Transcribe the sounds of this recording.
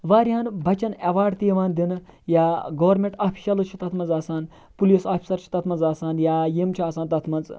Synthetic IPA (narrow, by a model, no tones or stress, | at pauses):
ʋaːɾʲiɦanbʱɐt͡ʃɐneʋaːɖt̪iʋaːnd̪inɨ | jaːɡɐʋɐɾmʲeɳʈaːpʰi̥ʃɐlɨt͡ʃʰi̥t̪ɐt̪ʰmɐnzaːsaːn | pulisaːpʰi̥sɐɾt͡ʃʰi̥t̪ɐt̪ʰmɐnzaːsaːnjaːjemt͡ʃʰiaːsaːnt̪ɐt̪ʰmɐnt͡s